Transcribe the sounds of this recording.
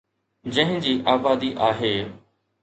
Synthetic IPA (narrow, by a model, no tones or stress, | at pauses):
d͡ʑɐ̃ɦɪ̃d͡ʑiːʔaːbaːd̪iʔaːɦeː